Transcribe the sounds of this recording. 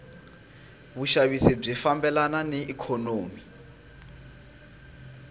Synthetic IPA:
βuʃaβisib͡ʐifambɛlananɛikʰɔnoːmi

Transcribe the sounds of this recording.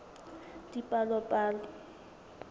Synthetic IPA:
dipʼalɔpʼaːlɔ

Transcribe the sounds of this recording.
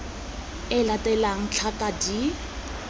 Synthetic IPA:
ɪlatɛlaŋ̩t͡ɬʰakʼadi

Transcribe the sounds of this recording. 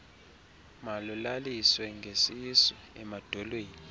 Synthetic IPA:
malulaliswɛŋɡʱesisɔɛmad̥ʱɔlweːni

